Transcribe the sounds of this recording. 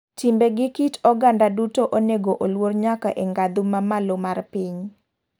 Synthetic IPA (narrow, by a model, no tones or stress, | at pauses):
timbeɡɪkitɔɡandadutoʔoneɡoʔolworɲakaʔeŋɡad̪ʊmamalomarpɪɲ